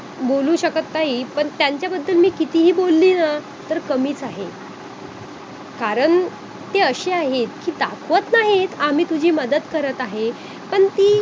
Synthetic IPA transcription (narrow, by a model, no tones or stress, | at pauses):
bolũːɕəkət̪ːaɦipəɳt̪jaɲt͡ɕjabəd̪ːəlmiːkit̪iːɦiːbolːiːna | t̪əɾkəmiːt͡saɦe | kaɾəɳ | t̪eəɕeaɦet̪kiːd̪akʰʋət̪naɦet̪am̤iːt̪ud͡ʑʱiːməd̪əd̪kəɾət̪aɦe | pəɳt̪iː